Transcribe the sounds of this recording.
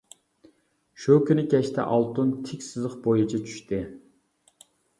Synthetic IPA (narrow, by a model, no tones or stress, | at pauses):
ʃukʲynɪkʲʰɛʃt̪ʰɛ̰ʔɑlˠt̪unt̪ʰɪkʲsɨzəχbojit͡ʃʰɛt͡ʃʰy̥ʃt̪ʰɪ